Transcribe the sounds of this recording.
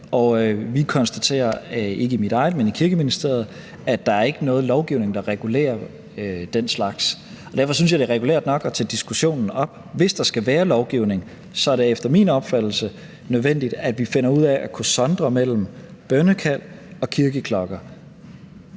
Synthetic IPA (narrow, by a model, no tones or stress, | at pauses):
ɒ̽ʋikʰɒ̽nsd̥æt͡sʰe̝̰ːɐe̝ɡ̥əimid̥ɑ̈ɪð̩ˠmenikʰiɐɡ̥əminisd̥e̝ɐð̞̩ˠ | æd̥ɑ̈æɐe̝ɡ̥ənɔ̽ːð̞̩ˠlɒʊɡ̥iʊne̝ŋd̥ɑ̈ʁɛɡ̥ule̝̰ːɐ | ød̥enslɑ̈ɡ̥s | ɒ̽d̥æɐfɒ̽synsjɑ̈ɪd̥e̝ʁɛɡ̥ulḛɐd̥nɒ̽ɡ̥ɒt͡sʰed̥isɡ̥uɕo̝̰ːnn̩ɒ̽b̥ | ʋe̝sd̥ɑ̈sɡ̥æʋæːɐlɒʊɡ̥iʊ̰ne̝ŋ | sɒ̽æɐɾ̥e̝efd̥ɐminɒ̽b̥fæd̥l̩sə | nøðˠʋen̰d̥id̥æd̥ʋife̝nɐuð̞̰ˠɛʔækʰusɒ̽nd̥ʁɐmel̰m̩b̥ɶnəkʰæl̰ɒ̽kʰiɐɡ̥əkʰlɒ̽ɡ̥ɐ